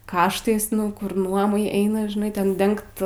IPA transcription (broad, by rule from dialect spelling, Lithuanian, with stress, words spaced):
ˈkɑːʃtɐɪs nʊ ˈkʊr ˈnuɔmɐɪ ˈɛɪnɐ ʒʲɪˈnɐɪ ˈtʲɛn ˈdʲɛŋkt